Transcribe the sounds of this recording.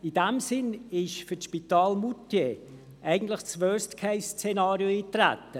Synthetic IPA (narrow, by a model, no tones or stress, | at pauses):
idɛmsɪnɪʃfytʃpitaːlmutje | ʔɛɪɡən̩tlɪχt͡sfœːstkʰɛɪst͡senaːɾioiːtræ̰tːə